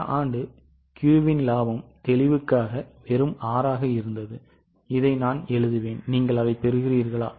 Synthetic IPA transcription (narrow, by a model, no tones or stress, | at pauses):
aːɳɖɯ | kjuːʋɪnlaːʋɐmt̪ɛlɪʋɯkːaːɣɐʋɛɾɯmaːɾaːɣɐɪɾɯnd̪ɐðɯ | ɪðɐɪnaːnɛɭɯðɯʋeːnniːŋɡɐɭɐʋɐɪpːɛɾɯɣɪriːɾɣɐɭa̰ː